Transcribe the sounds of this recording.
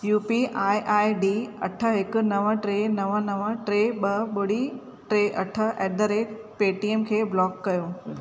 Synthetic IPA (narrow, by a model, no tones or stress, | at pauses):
juːpiʔaːiʔaːiɖiːɐ̰ʈʰə̆ɦɪkʊnɐʋəʈɾeːnɐʋənɐʋəʈɾeːɓɐɓʊɽi | ʈɾeːʔɐʈʰə̆ʔeːd̪əɾe | peːʈieːmkʰeːblɔːkːɐjõː